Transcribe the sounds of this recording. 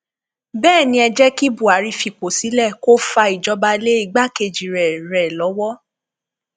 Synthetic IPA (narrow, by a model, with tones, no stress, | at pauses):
bɛː˦˨nĩ˧˦ɛ˧d͡ʒɛ˦ki˦bu˦˨a˨˦ɾi˧fi˨ko˨si˨˦lɛ˦˨ko˦fa˧i˨d͡ʒɔ˨˧ba˧le˦i˧˦ɡ͡ba˦ke˧d͡ʒi˨ɾɛ˨ɾɛ˨lɔ˨˦wɔ˦